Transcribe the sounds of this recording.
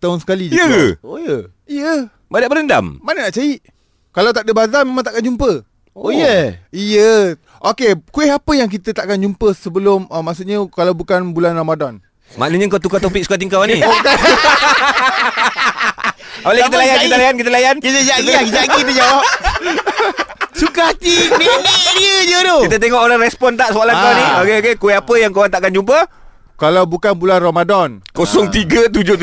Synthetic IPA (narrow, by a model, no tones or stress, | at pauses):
t̪aɦʊnsə̥kalid͡ʒjəojə | ijə | badaʔbəɾənda̰mmanənaʔt͡ʃaiʔ | kalawt̪aʔ̚dəbazamemãŋt̪aʔkand͡ʒumpə | jəijə | ʔokekueɦapəjaŋk̬it̪ət̪aʔkand͡ʒumpəsəbəlʊməmaʔsuʔɲəkalawbukanbulanramadɔn | ma̰ʔnəɲə̃ŋkat̪ukat̪opik̚su̥kat̪iŋkawanioka | olɛhkit̪əlajankit̪əlajankit̪əlajankit̪əd͡ʒaɡt̪id͡ʒaɡipid͡ʒawa | sukat̪inidiəd͡ʒəɾokit̪ət̪eŋɔʔoɾaŋrɛspɔnt̪̬aʔsoalankawniokeokekoweapəjaŋkowant̪aʔkand͡ʒump̬ə | kalawbukanbulanromadɔnkosɔŋt̪iɡət̪ud͡ʒʊ